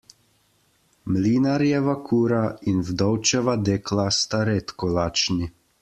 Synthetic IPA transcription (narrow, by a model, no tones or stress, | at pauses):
mliːnaɾjɛʋakʰuːɾainvd̪ɔwt͡ʃɛʋad̪eːklast̪aɾeːt̪kɔlaːt͡ʃni